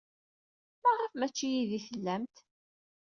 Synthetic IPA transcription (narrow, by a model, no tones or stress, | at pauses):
mæʁˤəfmæt͡ʃːijiðiθəlːæmt̪